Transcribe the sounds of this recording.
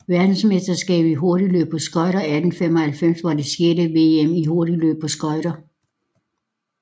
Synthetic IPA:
ʋæɐd̥n̩sme̝sd̥ɐsɡ̥ɛ̰ːb̥iɦo̝ɐɾilø̰ːb̥̚pʰɒ̽sɡ̥ɒ̽ɪɾɐæd̥n̩femɒhælfem̰sʋɑ̈d̥e̝sjeːdəʋe̝emiho̝ɐɾ̥ilø̰ːb̥̚pʰɒ̽sɡ̥ɒ̽ɪɾ̥ɐ

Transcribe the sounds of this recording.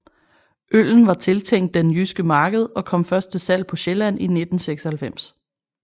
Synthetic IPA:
ʔøl̰n̩ʋɑ̈t͡sʰe̝lt͡sʰeŋ̰d̥ːenjysɡ̥əmɑ̈ːɡ̥əð̞ˠɒ̽kʰɒ̽m̰fɶɐsd̥̚t͡sʰe̝sæl̰pʰɒ̽ɕelæn̰ine̝d̥n̩seɡ̥sɐhælfem̰s

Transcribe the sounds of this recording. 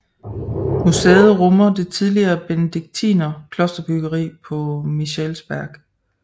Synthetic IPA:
musḛːð̞̩ˠʁɔmɐd̥e̝t͡sʰiðˠliɐːb̥enəd̥iɡ̥̚t͡sʰḭːnɐkʰlɔ̽sd̥ɐb̥yɡ̥ɐʁḭːpʰɒ̽miɕelsb̥æɐɡ̥

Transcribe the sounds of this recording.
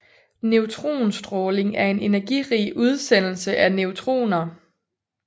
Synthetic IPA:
neʊt͡sʰʁo̝̰ːnsd̥ʁɔːle̝ŋæɐe̝ne̝næɐɡ̥iʁḭːʔuð̞ˠsen̰l̩səʔæneʊt͡sʰʁo̝̰ːnɐ

